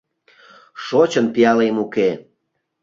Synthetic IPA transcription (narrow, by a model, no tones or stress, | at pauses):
ʃot͡ɕənp̪ijɑlemuke